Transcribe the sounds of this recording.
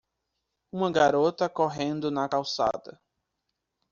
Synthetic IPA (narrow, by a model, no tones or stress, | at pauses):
ũmɐɡaɾot̪ɐkoɦẽnd̪ʊnɐkawsa̰d̪ɐ